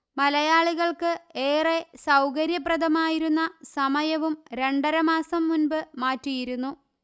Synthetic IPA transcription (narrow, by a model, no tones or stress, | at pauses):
mɐlɐjaːɭuɣɐɭkɨe̞ːre̞sɐwkɐɾjɐprɐd̪ʱɐmaːjiɾunːɐsɐmɐjɐʋumɾe̞ɳɖɐɾɐmaːsɐmːunbɨmaːtːijiɾunːu